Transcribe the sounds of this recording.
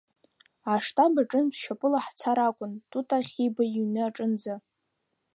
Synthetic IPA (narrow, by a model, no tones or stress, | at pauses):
aʂtʰʼabaʈ͡ʂʼɨnpʃapʼɨlaħt͡sʰaɾakʷʼʊntʼutʼaχʲibaiɥnɨaʈ͡ʂʼɨnd͡za